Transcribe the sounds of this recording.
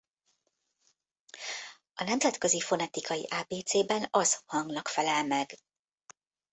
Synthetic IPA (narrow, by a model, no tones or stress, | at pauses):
ɒnɛmzɛt̪kø̞zifo̞nɛt̪ikʰɒjḭʔaːbeːt̪seːbɛnɒzhɒŋɡnɒkfɛlɛlmɛɡ